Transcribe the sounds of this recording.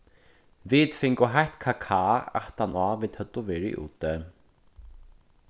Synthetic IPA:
vit̪fɪŋkʊɦajht̪kʰakʰaːa̰ht̪anaːvit̪hœt̪ːʊvɛːɾɪ̰ʔṵːt̪ɛ

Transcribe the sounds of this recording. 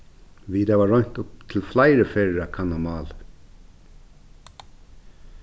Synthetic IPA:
ʋiːd̪ɑʋɑːɹɔnt̪ʊp̚t̪ʰɪl̩flæɪɾəfeːɹəɾɑːkʰɑnɑmɑːl

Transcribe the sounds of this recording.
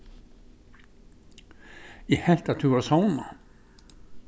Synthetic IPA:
jɛhɛl̥t̪aðt̪ʰʏɣaɾasaːwna

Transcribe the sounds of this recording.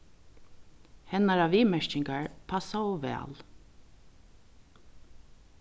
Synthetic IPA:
hɛnaɾaʋiːmɛɹcɪŋkaɹpʰasaɔʋɛ̰ːl

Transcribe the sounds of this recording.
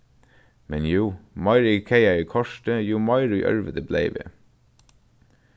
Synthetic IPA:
mɛnjuːmɑɪɹkʰeɪæiːkʰɔʃtəjuːmɑɪɹʉʔœ̰ɹʋəd̪əblḛɪʋḛː

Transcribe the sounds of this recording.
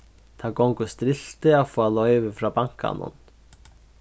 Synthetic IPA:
θʰakowŋkʏst̪ɾɪl̥t̪ɪaðfɔalœjvɪfɾawpaŋ̥ka̰nʊ̰n

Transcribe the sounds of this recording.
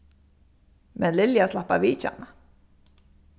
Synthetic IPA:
mɛnlɪljaslahpa̰viːt͡ʃa̰na

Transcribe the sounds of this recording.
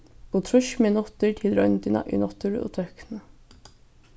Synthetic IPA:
b̥oːt̪ʰɾʉʃmeːnɔt̪əʈʰɪlɾœʏnt̪ɪnɑ̰ʔḭnɔt̪ʰʉɹo̰ːt̪ʰœknə

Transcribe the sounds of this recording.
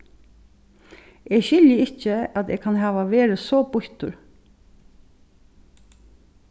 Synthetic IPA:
eːɡɕɪljəɪt͡ʃːəæt̪eːɡkʰanɦæːʋaʋeːɹəsɔːbʊht̪ʊ̰ɹ

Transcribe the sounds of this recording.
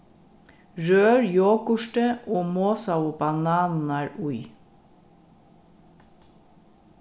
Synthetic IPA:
ɹøːɹjoːkʊʃʈəʔoːmoːsɑʊbɑnɑːnn̩æːɹʊʏ

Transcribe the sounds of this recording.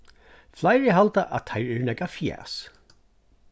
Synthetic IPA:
flajɹɪɦalt̪aʔa̰t̪ʰːajɹɛɹnɛkafjɛ̰ːs

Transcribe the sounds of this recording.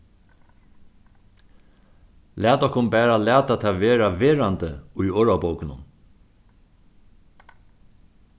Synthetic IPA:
læːt̪ɔhkʊnbæːɾalæːt̪at̪ʰaːʋeːɾaʋeːɾant̪əʊjoːɹabowkɪnʊ̰n

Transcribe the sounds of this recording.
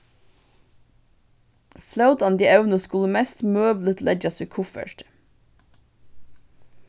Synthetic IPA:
flaʊt̪ɑnd̪iːʔæʉnəskʉləmɛst̪møːblət̪lʔɛd͡ʒɑsʉkʰʊfə̰ʈ

